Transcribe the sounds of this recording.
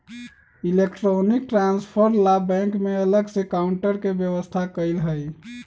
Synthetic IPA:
ilekʈɾonik̚ʈɾanspʰəɾlabɛ̃ŋkmeələɡsẽkaʊɳʈəɾkebjəwəst̪ʰakəɪlɦəj

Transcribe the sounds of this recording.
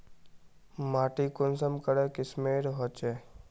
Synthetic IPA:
maːʈikʊnsəmkəɽekɪsmeːɾɦɔt͡ʃeː

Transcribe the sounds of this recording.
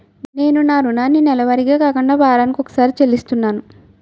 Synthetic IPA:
ne̞ːnunaːɾunaːnːinɛlɐʋɐɾiɡaːkaːkuɳɖaːbʱaːɾaːnikiɔkɐ̥saːɾit͡ʃelist̪unːaːnu

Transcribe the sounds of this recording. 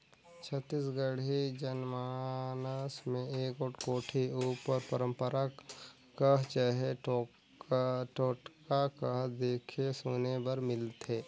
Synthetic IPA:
t͡ʃʰət̪ːiːsɡəɽid͡ʒənmaːnəsmẽeːkoʈkoːʈʰiupəɾpəɾə̃mpəɾa | kəɦt͡ʃaɦeʈo | ʈoːʈkakəɦd̪eːkʰesonebəɾmɪlt̪ʰeː

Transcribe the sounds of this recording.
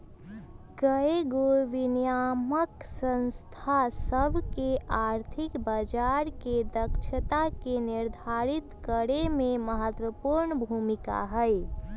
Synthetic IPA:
kəeɡoʋinjaməksənst̪ʰasəbʱkeaɾt̪ʰikbəd͡ʒaɾked̪əkt͡ʃʰət̪akeniɾd̪ʱaɾit̪kəɾememəɦət̪wəpuɾnəbʱumika̰ɦəj

